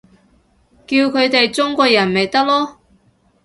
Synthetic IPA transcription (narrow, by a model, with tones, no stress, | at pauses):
kiː˧wkʰɵ˨˧ɥt̪e˨jt͡sʊ˥ŋkɔː˧jɐ˨˩nme˨jt̪ɐ˥k̚lɔː˥